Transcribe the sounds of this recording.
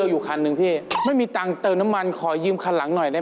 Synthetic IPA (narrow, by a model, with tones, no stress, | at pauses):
juː˨˩kʰaː˧nːɯ˧ŋpʰiː˥˩ma˥˩jmiː˧t̪aː˨˩ŋt̪ɤː˧mna˦˥mːa˧nkʰɔː˨˩˦jɯː˧mkʰaː˧la˩˦ŋnɔ˨˩jda˥˩